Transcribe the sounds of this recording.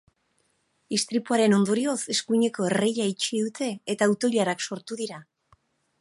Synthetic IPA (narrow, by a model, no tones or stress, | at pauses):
ist̪ɾipuaɾe̞no̞nd̪o̞ɾio̞se̞skuɲe̞ko̞ere̞jait͡ʃiðut̪ʰe̞ːt̪aːwt̪o̞ʎaɾakso̞ɾt̪uðiɾa